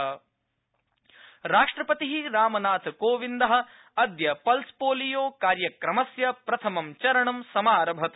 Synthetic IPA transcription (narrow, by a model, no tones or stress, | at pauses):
ɾaːʂʈɾɐpɐt̪iɦiɾaːmɐnaːt̪ʰkoːʋind̪ɐɦɐ̆ | ɐd̪jɐpɐlspoːlijoːkaːɾjɐkɾɐmɐsjɐpɾɐt̪ʰɐmɐmt͡ʃɐɾɐɳɐmsɐmaːɾɐbʱɐt̪